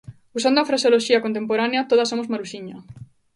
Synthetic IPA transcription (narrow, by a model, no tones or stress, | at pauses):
usand̪ʊafɾasjoloʃiɐkont̪̬empoɾaneat̪oð̞asomozmaɾuʃiɲɐ